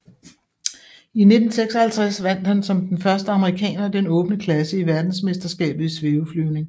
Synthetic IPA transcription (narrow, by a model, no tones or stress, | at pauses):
ine̝d̥n̩seɡ̥sɒ̽hælt͡sʰʁasʋæn̰d̥hænsɒ̽md̥enfɶɐsd̥əɑ̈məʁikʰɛ̰ːnɐd̥enɔ̽ːb̥nəkʰlæsəiʋæɐd̥n̩sme̝sd̥ɐsɡ̥ɛ̰ːb̥ð̩ˠisʋe̝uflyʊ̰ne̝ŋ